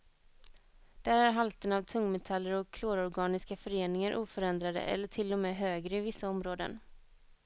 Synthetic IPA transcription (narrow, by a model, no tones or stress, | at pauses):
d̪̥æːɾæɾɦalt̪ənavt̪ʰɵŋːmɛt̪ʰalːəɾɔkʰːloːɾɔɾɡɑːnɪskafœɾeːnɪŋaɾʔuːfœɾɛnd̪ɾad̪ə̰ʔɛ̰lːəʈʰɪlːɔmeːɦøːɡɾəɪvɪsːaɔmɾoːd̪ə̰n